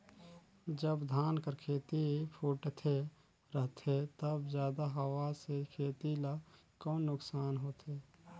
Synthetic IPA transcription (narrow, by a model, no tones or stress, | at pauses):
d͡ʒəbd̪ʱaːnkəɾkʰeːt̪ipʰuːʈt̪ʰe | ɾəɦt̪ʰet̪əbzjaːd̪aɦəwasekʰeːt̪ila | kɔːnːʊksaːnɦoːt̪ʰeː